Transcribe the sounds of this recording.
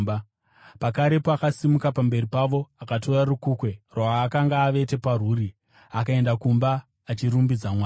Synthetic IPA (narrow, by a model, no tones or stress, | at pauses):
ba | pakaɾe̞poakasimukapambe̞ripaʋo̞akato̞rarukuːkwe̞rwaːkaŋɡaːʋe̞te̞paruːɾi | akae̞ndakumbaː | t͡ʃiɾumbid͡zamwaː